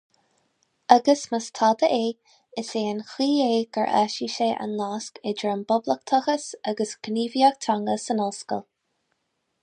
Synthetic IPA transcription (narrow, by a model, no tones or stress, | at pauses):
aɡəsməst̪ʰɑːd̪əʔeː | ɪseːənxiːeːɡ̥əɹʔa̰ʃiʃeːʔa̰nlaːskɛdɹɪmbʊbləkt̪ʰəxəsaɡəsɡ̥niːviak̚t̪ʰaŋɡəsənɔlskə̰lˠ